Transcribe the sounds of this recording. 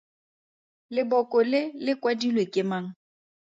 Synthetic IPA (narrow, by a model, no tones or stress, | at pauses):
lɪbɔkʼɔlɪlɪkʼwadilwekʼɪmaŋ̩